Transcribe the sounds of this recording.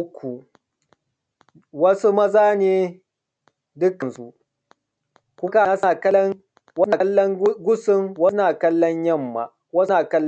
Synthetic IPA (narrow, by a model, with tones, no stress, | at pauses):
kʷʰu˨ | wɐ˦su˦mɐ˦zaː˦neː˨ | dʊ˦kːɐ˨nsu˦ | kʷʊ˦ka˨˦sa˨kɐ˦lŋ | wɐ˦na˨˦lːɔ˦ŋ˦ɡʷʊ˦sɪ˦ŋwɐ˦naː˨kɐ˦lːɔ˦ɲjɐ˦mːa̰˨ | wɐ˦naː˨kɐ˦l